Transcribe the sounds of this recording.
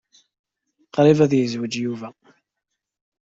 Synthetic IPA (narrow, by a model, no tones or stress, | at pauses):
qɾˤivæðjəzwəd͡ʒjuvæ